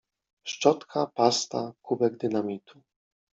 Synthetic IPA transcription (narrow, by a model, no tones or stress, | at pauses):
ʂt͡ʂɔt̪kʰapast̪akubɛɡd̪ɘnamʲit̪ʰu